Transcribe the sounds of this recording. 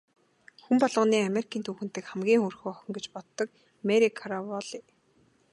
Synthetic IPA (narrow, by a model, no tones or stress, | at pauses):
xumpɔɮʁə̆niːameɾikʰiːnt̪ʰuːxɘ̆n̥t̪ɘ̆kχæmɡʲiːŋxɵrxoːχɔxʲɞ̆ŋɡet͡ɕpɔt̪ːɞ̆k̚ | meɾikʰaɾawɔɮi